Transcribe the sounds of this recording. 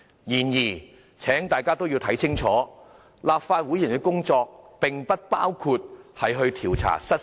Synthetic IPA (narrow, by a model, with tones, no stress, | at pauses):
jiː˨˩njiː˨˩ | t͡sʰɛː˨˥ŋt̪aː˨jkaː˥t̪o˥wji˧wt̪ʰɐ˨˥jt͡sʰɪ˥ŋt͡sʰɔː˨˥ | laː˨p̚faː˧t̚wuː˨˥ji˨˩nkɛ˧˥kʊ˥ŋt͡sɔː˧k̚pɪ˨ŋpɐ˥t̚paː˥wkʰuː˧t̚hɐ˨jɦɵ˧ɥt̪ʰiː˨˩wt͡sʰa̰ː˨˩sɐ˥